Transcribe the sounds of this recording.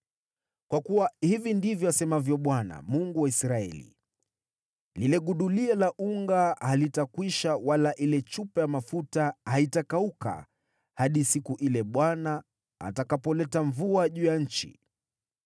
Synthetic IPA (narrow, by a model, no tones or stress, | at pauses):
kwakuwahivindivjɔasɛmavjɔɓwana̰muŋɡuwaisɾaɛ̰lḭ | lilɛɠuɗuliɛlaʔuŋɡahalitakwiʃawalaʔilɛt͡ʃupɛjamafutahaitakauka̰ | haɗisikuʔilɛɓwana̰ː | takapɔlɛtaɱvuaʄuːjaɲ̩t͡ʃḭ